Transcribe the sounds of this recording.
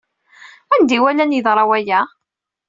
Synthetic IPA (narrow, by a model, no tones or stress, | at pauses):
ænd̪iwælænjəðɾˤɑwæjæ